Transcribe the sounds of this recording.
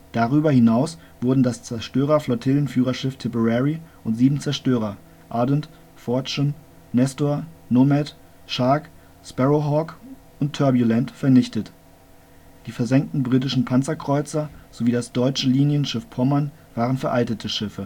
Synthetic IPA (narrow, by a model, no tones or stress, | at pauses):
d̥aʁyːbɐhɪnaʊs | v̥ʊɐdn̩dast͡sɛɐʃtøːʁ̞ɐflɔtʰɪlənfyːʁɐʃɪftʰɪbəʁɛʁiʔʊntz̥iːbm̩t͡sɛɐʃtøːʁɐ | ʔaɐdənt | fɔɐt͡ʃən | nɛstoɐnomɛt | ʃaɐk | spɛʁoɦɔk | ʔʊntʰːœɐbjulɛntfɛɐnɪçtət | d̥iːfɛɐzɛŋk̚tn̩bʁiːtɪʃn̩pʰant͡sɐkʁ̥ɔʏt͡sɐz̥oviːdasd̥ɔʏt͡ʃəliːnjənʃɪfpʰɔmɐn | v̥aːʁənfɛɐʔaltətʰəʃɪfə